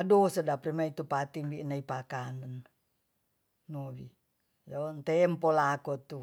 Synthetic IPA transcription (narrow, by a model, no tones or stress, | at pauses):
adosadapɾimait̪upat̪imbinaipakanən | owḭ | jont̪ɛmpolakot̪u